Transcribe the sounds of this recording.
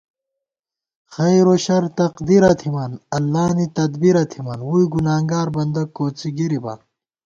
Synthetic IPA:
xɐjɾoɕɐɾt̪ɐqd̪iɾɐt̪ʰimɐnɐlːaːnit̪ɐd̪biɾɐt̪ʰimɐnwuiɡunaːŋɡaːɾbɐnd̪ɐkoːt͡siɡiɾibɐ̰n

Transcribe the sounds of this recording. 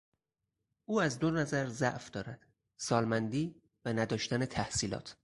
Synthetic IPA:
ʔuːæzd̪onæzæɾzæʔfd̪ɒːɾæd̪̥ | sɒːlmænd̪iː | vænæd̪ɒːʃt̪æne̞t̪ʰæhsiːlɒ̰ːt̪ʰ

